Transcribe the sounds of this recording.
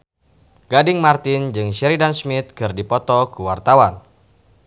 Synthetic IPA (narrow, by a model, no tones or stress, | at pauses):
ɡ̥adɪŋmart̪ɪnd͡ʒɨŋʃɛɾidansmɪt̪̚kɨrdipɔt̪ɔkuwart̪awan